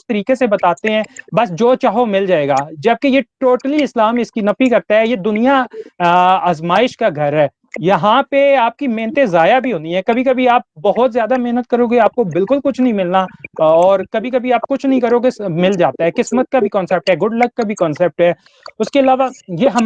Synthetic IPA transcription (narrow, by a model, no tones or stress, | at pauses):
ɪst̪ɐɾiːkesebɐt̪aːt̪eɦɛ̃ːbɐsd͡ʒoːt͡ʃaːɦomɪld͡ʒaːeːɡaːd͡ʒɐb̚kejeʈoːʈəliɪslaːmɪskinɐfikɐɾt̪aɦɛjed̪ʊnija | aːzmaːɪʃkaɡʱɐɾɦɛː | jɐɦãpeaːp̚kimeɦnət̪ẽzaːjabʱiɦoːniɦɛ̃ːkɐbʱikɐbʱiaːp̚bɐɦʊt̪zjaːd̪ameɦnət̪̚kɐɾoːɡeaːp̚kobɪlkʊlkʊt͡ʃʰnɐɦĩmɪlnaɔːɾkɐbʱikɐbʱiaːp̚kʊt͡ʃʰnɐɦĩkɐɾoːɡemɪld͡ʒaːt̪aɦɛkɪsmət̪̚kabʱikɔ̃ːnsɛp̚ʈɦɛːɡʊɖlɐkːabʱikɔːnsɛp̚ʈɦɛː | ʊskeɐlaːʋajeɦɐ